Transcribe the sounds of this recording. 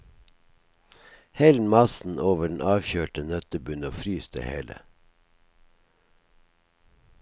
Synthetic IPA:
hɛlmɑsn̩oːʋəɖɳ̩ʔɑːʋçøːʈənœt̪əbʉnoːfɾyːsd̪ə̰hḛːlə̰

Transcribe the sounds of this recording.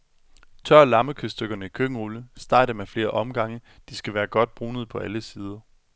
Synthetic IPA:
t͡sʰɶɐ̰lɑ̈məkʰøsd̥øɡ̥ɐnəikʰøɡ̥əʁuləsd̥ɑ̰̈ːd̥əmefle̝ːɐʔɒ̽mɡ̥ɑ̈ŋə | d̥isɡ̥æʋæːɐɡ̥ɒ̽d̥̚b̥ʁuːnð̞̩ˠpʰɒ̽ʔæləsiːð̞ˠɐ

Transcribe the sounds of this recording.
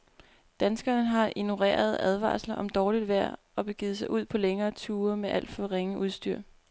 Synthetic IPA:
d̥ænsɡ̥ɐnəɦɑ̈ʔinoʁḛːɐð̞ˠæð̞ˠʋɑ̰̈ːslɐʔɒ̽md̥ɒːlid̥ʋæɐ̰ | ɒ̽b̥e̝ɡ̥iːð̞̩ˠs̬ɑ̈ɪʔuð̞̰ˠpʰɒ̽leŋɐːt͡sʰuːɐmeʔæl̰d̥fɒʋʁeŋəʔuð̞ˠsd̥yɐ̰

